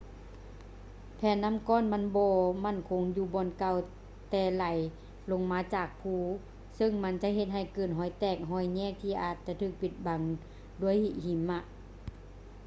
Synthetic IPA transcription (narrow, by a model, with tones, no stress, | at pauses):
pʰɛː˨˧˨nːa˧˥˨mkɔː˧˥˨nma˧˥˨nbɔː˧ma˧˥˨nkʰo˨˦ŋjuː˧bɔː˧˨nka˧˩w | t̪ɛː˧la˨˩˦j | lo˧˥ŋmaː˧˥t͡ɕaː˨˩k̚pʰuː˧˩ | sɤ˧˥˨ŋma˧˥˨nt͡ɕa˧ʔɦe˧t̪̚ɦa˧˩jkɤː˧˩n̚ɦɔː˧˦jt̪ɛː˧˩k̚ɦɔː˧˩˨jɲɛː˧˥˨k̚t̪ʰiː˧˨ʔaː˨˩t̪̚t͡ɕa˧˦t̪ʰɯː˧˩k̚pi˧˩t̪̚ba˨˦ŋ | du˧˨ə˨jhi˧˩ʔhi˨˦mːa˧˨ʔ